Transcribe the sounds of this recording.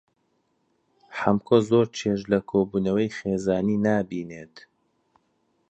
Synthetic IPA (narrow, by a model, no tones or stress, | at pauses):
ħamkʰozoːɾt͡ʃʰeʃlɐkʰoːbuːnɐwɐjxeːzaːniːnaːbiːneːt̪